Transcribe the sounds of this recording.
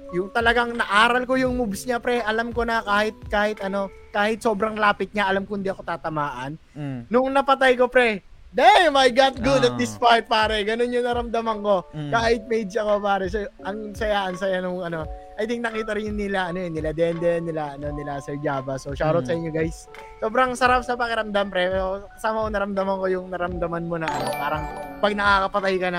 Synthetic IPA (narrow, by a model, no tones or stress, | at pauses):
jʊŋt̪ɐlɐɡaŋnɐʔaːɾɐlko̞jʊŋmubsɲapɾɛʔɐlamko̞nɐkaːhɪt̪̚kaːhɪt̪ʔɐno̞ | kaːhɪt̪̚so̞ːbɾɐŋlaːpɪt̪̚ɲaʔɐlamkʊhɪnd̪iʔɐko̞t̪aːt̪ɐmaːʔɐnː | ʊŋnɐpɐt̪ajko̞pɾɛ | d̪ɛjmajɡat̪̚ɡud̪ɐt̪̚d̪ɪspaj̚paːɾɛɡɐno̞njʊŋnɐɾɐmd̪ɐmɐŋko̞kaːhɪt̪̚mɛjd̪d͡ʒɐko̞paːɾɛsɛʔɐŋsɐjaʔɐŋsɐjanʊŋɐno̞ʔɐjd̪ɪŋnɐkiːt̪ɐɾɪnjʊŋnɪlaʔɐnojnɪlad̪ɛnd̪ɛnɪlaʔɐno̞nɪlasɛɹd͡ʒaːbɐsoʃaːɾot̪sɐʔɪɲjoɡajs | so̞ːbɾɐŋsɐɾap̚sɐpɐkɛɾɐmd̪ampɾɛokɐsaːmɐkonɐɾɐmd̪ɐmɐŋko̞jʊŋnɐɾɐmd̪ɐmanmo̞nɐʔɐnopaːɾɐŋpɐɡ̚nɐkakɐpɐt̪ajkɐnɐ